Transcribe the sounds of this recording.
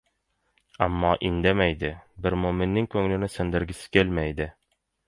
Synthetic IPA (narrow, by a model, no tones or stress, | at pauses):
æmːɒʔind̪æmæjd̪ɪbɪɾmomɘ̆nːɪŋkɵŋlɘ̆nɘsɘ̆nd̪ɘ̆ɾɡʲɪsɪ̥kʲelmæjd̪ɪ